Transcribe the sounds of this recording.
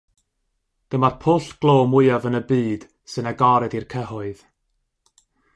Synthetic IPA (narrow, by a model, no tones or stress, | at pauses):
d̥əmarpʰoːɬɡ̥lˠoːmʊjavənəbiːd̥ | sɨnaɡɔɾɛdirkʰəɦʊɨð̥